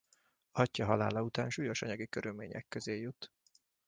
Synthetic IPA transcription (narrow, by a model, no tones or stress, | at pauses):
ɒcːɒɦɒlaːlɒut̪aːnʃuːjo̞ʃɒɲɒɡikøɾylmḛːɲɛ̰kːøzeːjut̪